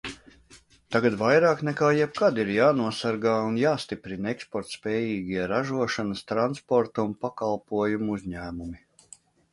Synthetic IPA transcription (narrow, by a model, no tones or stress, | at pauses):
t̪aɡat̪vajɾaːknɛkaːjɛb̚kad̪iɾjaːnuɔsaɾɡaːunjaːst̪ipɾinɛkspɔɾt̪spʲɛːjiːɡʲiɛɾaʒuɔʃanɐst̪ɾanspɔɾt̪unpakalˠpuɔjumuzʲɲæːmumi